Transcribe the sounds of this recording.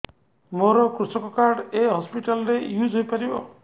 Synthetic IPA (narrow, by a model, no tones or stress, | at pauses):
moɾɔkɾusɔkɔkaɾɖeɦɔspiʈalɔɾejud͡ʒʱɦojpaɾibɔ